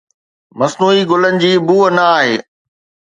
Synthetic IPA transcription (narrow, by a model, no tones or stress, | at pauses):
mɐsnuːiɡʊlənɪ̆d͡ʑiːbuːənɐaːɦeː